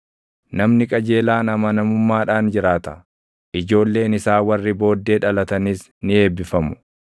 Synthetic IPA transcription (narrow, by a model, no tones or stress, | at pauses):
nɐmnɪkʼɐd͡ʒe̞ːlaːnɐmɐnɐmʊmːaːᶑaːnd͡ʒɪɾaːt̪ɐ | ʔɪd͡ʒo̞ːlːe̞ːnɪsaːwɐrːɪbo̞ːd̪ːe̞ːᶑɐlɐt̪ɐnɪs | nɪe̞ːbːɪfɐmʊ̥